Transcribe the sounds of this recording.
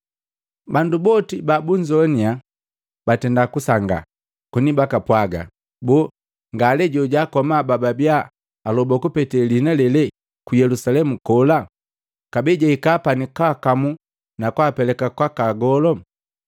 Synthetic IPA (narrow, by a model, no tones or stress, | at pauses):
bandubɔtibabuɲd͡ʒɔnia | b̥atɛndakusaŋɡa̰ | kunibakapwaɡa̰ | bɔ | ŋɡalɛɟɔɟakɔmabababiaː | lɔbɔkupɛtɛlinalɛlɛ | kujɛlusalɛmukɔla | kabɛɟaikaːpanikaːkamu | nakwaːpɛlɛkakwakaɡɔlɔ